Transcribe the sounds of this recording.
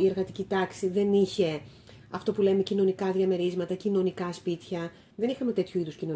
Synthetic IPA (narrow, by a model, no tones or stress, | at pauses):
ieɾɣɐt̪icit̪ɐksiðe̞niçe̞ | ɐft̪o̞pule̞me̞cino̞nikɐðʝɐme̞ɾizmɐt̪ɐcino̞nikɐspit̪çɐ | ðe̞nixɐme̞t̪e̞t̪çuiðuscino̞